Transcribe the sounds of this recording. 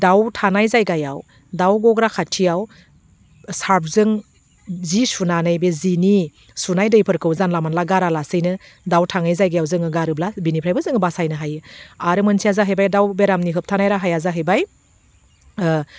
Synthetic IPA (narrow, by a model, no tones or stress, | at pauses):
dawtʰanajzajɡaja̰w | dawɡɔɡɾakʰatʰijaw | saɾp̚ʰzɯŋ | zisunanɯjbezini | sunajdɯjpʰɯɾkʰɯwzanlamanlaɡaɾalasɯjnɯ | dawtʰaŋajzajɡajawzɯŋɯɡaɾɯblabinipʰɾajbɯzɯŋɯbasajnɯɦajɯaɾɯmɯnsʰijazaɦɯjbajdawbeɾamniɦɯp̚tʰanajɾaɦajazaɦɯjbaj